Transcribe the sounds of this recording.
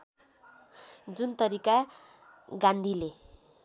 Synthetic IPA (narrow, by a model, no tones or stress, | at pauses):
d͡zunt̪ʌɾika | ɡãnd̪ʱile